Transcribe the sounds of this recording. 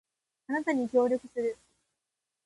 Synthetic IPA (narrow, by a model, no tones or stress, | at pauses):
anat̪aɲ̟ikʲo̞ːɾʲo̞kɯ̟sɨɾɯ̟